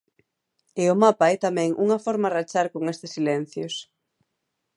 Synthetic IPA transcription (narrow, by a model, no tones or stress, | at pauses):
ɪʊmapaɛt̪amɛ̃ŋʔṵŋɐfɔɾmarat͡ʃaɾkoŋest̪ɪsːilɛn̟θjos